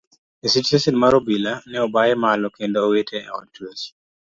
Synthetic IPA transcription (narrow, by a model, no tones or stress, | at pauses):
esit͡ʃesinmaɾobilanɛɔbajɛmalɔkendoːwetʰɛɛ̰ɔ̰t͡ʃwos